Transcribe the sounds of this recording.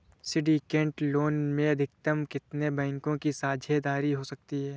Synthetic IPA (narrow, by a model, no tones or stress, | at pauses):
sɪɖikẽːɳʈloːnmẽɐd̪ʱɪk̚t̪əmkɪt̪nebɛ̃ːŋkõkisaːd͡ʒʱed̪aːɾiɦosɐk̚t̪iɦɛː